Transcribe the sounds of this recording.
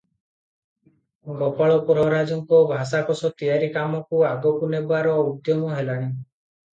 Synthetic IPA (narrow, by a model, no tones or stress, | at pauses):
ɡɔpaɭɔpɔɾɔɾad͡ʒɔŋkɔbʱasakɔsɔt̪ijaɾikamɔkuaɡɔkunebaɾɔud̪jɔmɔɦelaɽ̃i